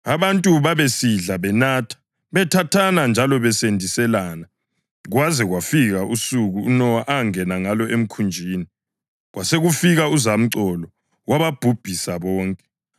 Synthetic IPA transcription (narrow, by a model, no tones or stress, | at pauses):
aβantʼuβaβesiɮaβɛnatʰḁ | βɛtʰatʰanand͡ʒʱalɔβɛsendʱisɛlaːna | ɣwazɛɣwafiɣaʔusuɣuunɔwaʔaŋɛnaŋalɔʔem̩kʰund͡ʒʱiːni | ɣwaseɣufiɣauzam̩ǀɔlɔ | waβab̥ʱub̥ʱisaβɔːŋkʼɛ